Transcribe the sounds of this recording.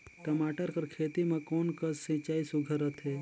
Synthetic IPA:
ʈɐmaːʈəɾkəɾkʰeːt̪imẽkoːnkəssĩt͡ʃaːisuɡʱəɾət̪ɦɛː

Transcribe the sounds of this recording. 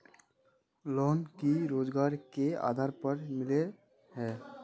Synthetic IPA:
loːnkiɾoːd͡ʒɡaːɾkea̰ːd̪ʱaːɾpəɾmɪle | ɦɛː

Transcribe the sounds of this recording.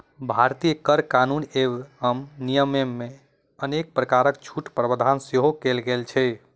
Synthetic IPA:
bʱaɾt̪ijəkəɾkanunewɦəmnijəmemːe | ənek̚pɾəkaɾəkt͡ʃʰuʈpɾəbəd̪ʱanseɦokelɡelt͡ʃʰɛ

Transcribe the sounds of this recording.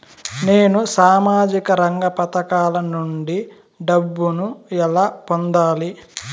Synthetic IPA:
neːnusaːmaːd͡ʒikɐɾɐŋɡɐpɐt̪ɐkaːlɐnuɳɖi | ɖɐbːunuɛlaːpond̪aːli

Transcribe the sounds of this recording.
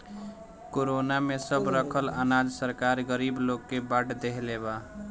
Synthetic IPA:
koɾonamesəbɾəkʰələ̰nad͡ʒsəɾkaɾɡəɾibloɡkebaʈʰd̪eɦleba

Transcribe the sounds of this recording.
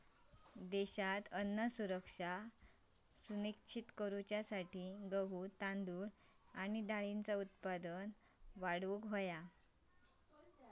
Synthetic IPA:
d̪ɛɕat̪ənːəsuɾəkʂa | sunikt͡ɕʰit̪kəɾut͡ɕjasaʈʰiɡəʋuːt̪ãnd̪uɽañid̪aɭint͡saut̪̚pad̪ən | ʋaɽʋukɦoja

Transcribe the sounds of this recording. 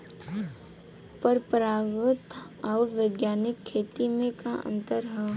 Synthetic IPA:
pəɾpɾaːɡʊt̪ | ɔːɾʋeɡjaːnɪkʰːeːt̪imẽkaʔə̰̃nt̪əɾɦɛ

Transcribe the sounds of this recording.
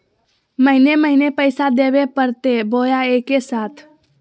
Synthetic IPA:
məɦɪneməɦɪnepəɪsad̪ebepəɾt̪ebojaekesaːt̪ʰ

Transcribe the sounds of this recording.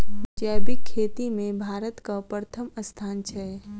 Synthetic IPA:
d͡ʒabɪkʰːeːt̪imẽbʱaːɾət̪kapɾət̪ʰəməst̪ʰaːnt͡ʃʰɛ

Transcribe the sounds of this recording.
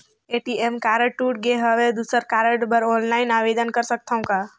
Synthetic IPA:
eːʈiemkaːɾəʈʈuːʈ̚ɡeɦəʋed̪usəɾkaːɾəʈbəɾɔːnlaːɪnaːʋeːd̪ənkəɾsək̚t̪aũkaː

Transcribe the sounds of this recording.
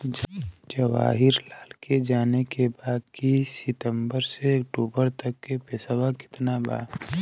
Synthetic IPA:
d͡ʒd͡ʒəʋa̰ːɦɪɾlaːlked͡ʒaːnekebaːd̪̚kisɪt̪ə̃mbəɾseəkʈoːbəɾt̪əkːepeːsawakɪ̥t̪naba̰ː

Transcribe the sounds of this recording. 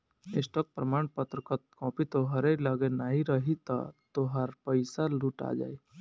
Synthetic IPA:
ḛsʈɔk̚pɾəmaːɳpət̪ɾəkət̪kɔ̃ːpit̪oɦəɾeləɡenaːɦiɾəɦit̪a̰t̪oɦəɾpəɪsaluːʈa̰d͡ʒa̰ːi

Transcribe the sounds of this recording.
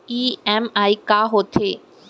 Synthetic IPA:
iɛmaikaɦot̪ʰe

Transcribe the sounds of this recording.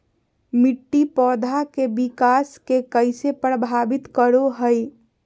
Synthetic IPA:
miʈːipɔːd̪ʱakebikaskekəɪsepɾəbʱabit̪kəɾoɦəj

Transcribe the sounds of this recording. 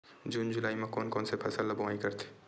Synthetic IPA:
d͡ʒuːnd͡ʒʊlaːimẽkɔːnkɔːnsepʰɐsəlːɐbʊaːikɐɾt̪ʰe̥

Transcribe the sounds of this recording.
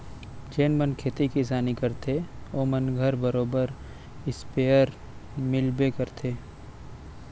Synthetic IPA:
d͡ʒeːnmənkʰeːt̪ikis̬aːnikɐɾt̪ʰeoːmɐnɡʱəɾbɐɾoːbəɾ | ɪspeːəɾ | mɪlbekɐɾt̪ʰeː

